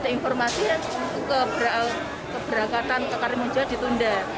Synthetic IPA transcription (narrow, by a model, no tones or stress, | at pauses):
d̥ainfɔrmasit̪ukəbɾa | kəb̥əɾakat̪ant̪əkaɾɪməd͡ʒad̥i̤t̪unda